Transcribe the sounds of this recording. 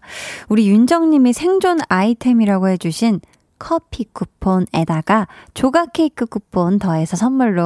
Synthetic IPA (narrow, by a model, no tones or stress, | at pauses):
uɾijund͡ʑʌŋɲimesʰe̞ŋd͡ʑonaitʰe̞miɾaɡoɦe̞d͡ʑuɕʰin | kʰʌpʰik͈upʰone̞daɡat͡ɕoɡakʰe̞ikʰɯk͈upʰːontʌe̞sʰʌsʰʌnːuɭːo